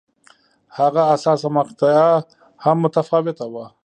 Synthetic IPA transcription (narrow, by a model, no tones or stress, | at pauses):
haɣaːsɑsamaqt̪aa | hamːʊt̪afɑwɪt̪awa